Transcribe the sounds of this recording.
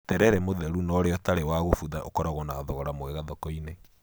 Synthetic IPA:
tɛɾɛɾɛmoðɛɾunɔɾeɔtaɾewaɣofuðaʔokɔɾaɣɔnaðɔɣɔɾamoɛɣaðɔkɔine

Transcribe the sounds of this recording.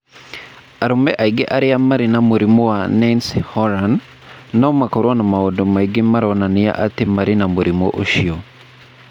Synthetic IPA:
aɾomɛʔaiɡeʔaɾeamaɾinamoɾimɔwanɛnshɔɾanː | amakɔɾwɔnamaodɔmaiɡemaɾɔnania̰ʔatemaɾenamoɾimɔ̰ʔoʃiɔ

